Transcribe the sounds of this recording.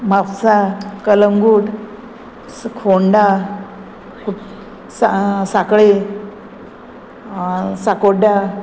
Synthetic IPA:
mapsakələŋɡuːʈ | skʰoɳɖa | ku | sasakɭe | sakoɖa

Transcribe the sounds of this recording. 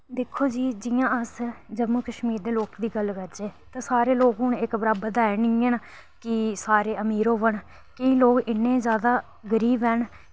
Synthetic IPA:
d̪eːkʰːoːd͡ʒiːd͡ʒɪjãːəsd͡ʒəbõːkəʃmiːɾd̪eːloːkd̪iːɡəlkəɾd͡ʒeːt̪ãːsaːɾeːloːɡɦʊɳɪkbɾaːbəd̪aːɛnĩːẽːnː | kɪsaːɾeːəmiːɾoːʋəɳ | kəĩːloːkɪnːẽːzjaːd̪aː | ɡəɾiːbɦɛːn

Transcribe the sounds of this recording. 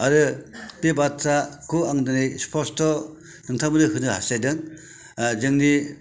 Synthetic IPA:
aɾɯtebatʰɾakʰuaŋdanɯjspʰɔstɔ | nɯŋtʰamɯnɯhɯnɯha̰sajdɯŋ | zɯŋni

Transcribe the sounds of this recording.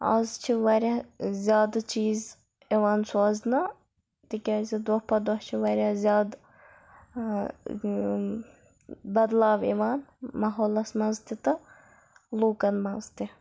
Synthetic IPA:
ɐ̰zt͡ʃʰiʋɐɾʲɐzʲjaːd̪t͡ʃiːz | eʋaːnsɔːznɐ | t̪ikʲɐːzid̪ohpɐd̪ɔht͡ʃʰiʋɐɾjɐzʲjaːd̪ | bɐd̪laːʋḛʋaːnmɐɦoːlɐsmɐzt̪it̪ɐ | luːkɐnmɐzt̪i

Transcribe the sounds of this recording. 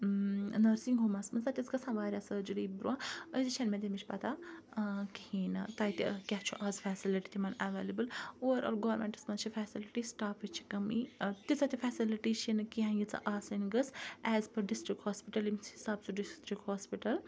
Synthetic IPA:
nɐɾsiŋɡɦoːmɐsmɐnzat̪ʲɐt͡sɡɐsʰãʋaːɾʲasɐd͡ʒuɾiːbɾuãːəjzit͡ʃʰɐnmẽd̪ʲemit͡ʃʰʲpɐt̪a | kihiːnt̪aːjt̪ḭkʲaɦt͡ʃʰuʔaːzfɛːsiliʈit̪imɐnaʋeːlɐbɨloʋɾʔo̰ːlɡɐʋɐɾmḛɳʈɨ̥smɐnt͡ʃʰifɛːsiliʈisʈaːpʰit͡ʃʰi̥kɐmit̪it͡sat̪ʲifɛːsiliʈit͡ʃʰinɨkiɦãːjit͡sa̰ʔaːsɐnɡəsɛːzpɐɖisʈɾik̚ʈhoːspiʈɐlimisisaːb̚t͡suɖisʈɾikʈhoːspiʈɐl

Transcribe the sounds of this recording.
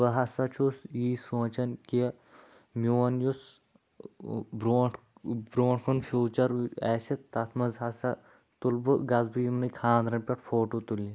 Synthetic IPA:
ʋɐɦɐsɐt͡ʃʰusiːsoːt͡ʃɐnkiɐ | mʲuːɐnjus | bɾoː | bɾoːʈkʰunfʰuːt͡ʃɐɾɛːsɐt̪ːɐt̪ʰmɐzɦɐsɐ | t̪ulbuɡɐzbijmnɨkʰaːnd̪ɾɐnpʲɐʈfoːʈot̪ulːi

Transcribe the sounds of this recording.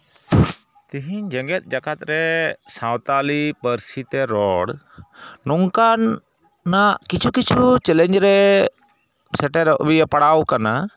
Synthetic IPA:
t̪iɦiɲd͡ʒɛŋɡɛt̪̚d͡ʒakat̪ɾɛsãwt̪alipəɾsit̪ɛɾɔɽ | nɔŋkanː | aʔkit͡ʃʰukit͡ʃʰut͡ʃɛlɛɲd͡ʒɾɛ | sɛʈɛɾʔbijapaɽawkana

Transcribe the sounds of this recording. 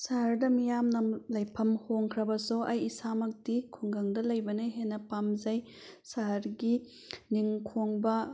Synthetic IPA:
saɦɐɾdɐmijamnɐlɐjpʰɐmhoŋkʰɾɐbɐsoʔɐjisamɐk̚dikʰuŋɡɐŋdɐlɐjbɐneɦenːɐpamzɐj | saɦɐɾɡi | niŋkʰoŋbɐ

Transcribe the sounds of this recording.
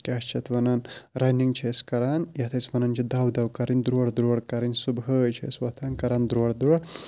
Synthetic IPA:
kʲaʃt͡ʃʰɐt̪ʰʋɐnanɾɐniŋɡt͡ʃʰeskɐɾanjɐt̪ʰɐsʋɐnɐnt͡ʃʰid̪ɐwd̪ɐwkɐɾinʲd̪ɾoːɽd̪ɾoːɽkɐɾinʲsubɦət͡ʃʰḛswɐt̪ʰaːnkɐɾaːnd̪ɾoɐɽd̪ɾoɽ

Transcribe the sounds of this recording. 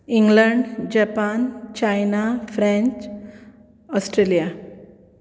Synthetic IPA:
iŋɡləɳɖd͡ʑapant͡ɕajnafɾɛ̃ɲt͡ɕ | ɔsʈɾelija

